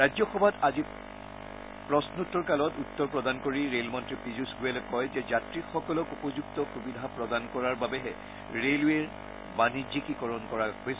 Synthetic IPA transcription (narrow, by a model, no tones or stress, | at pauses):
ɹajzɔxɔbʱatazi | pɹɔsnutːɔɹkalɔtutːɔɹpɹɔdankoɹiɹelmɔntɹipɹizusɡuɛlɛkɔjzɛzatɹixɔkɔlɔkupɔzuktɔxubidʱapɹɔdankɔɹaɹbabɛɦɛ | ɹelweɹ | baniikikɔɹɔnkɔɹaɦojs